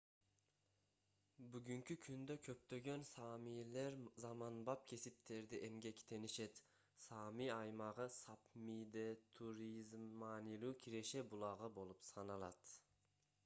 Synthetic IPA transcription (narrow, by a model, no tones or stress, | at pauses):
byɡʲyŋkʰʲykʲʰynd̪økʲʰøp̚t̪øɡʲønsɑmileɾzɑmɑnbɑp̚kʲʰe̞sip̚t̪ʰeɾd̪ɛʔemɡʲekʲt̪ʰeniʃet̪ | sɑːmijɑjmɑʁɯsɑpmid̪et̪ʰuɾizmɑːnilˠuːkʲʰiɾeʃebulˠɑʁɯbolˠupsɑnɑlˠɑt̪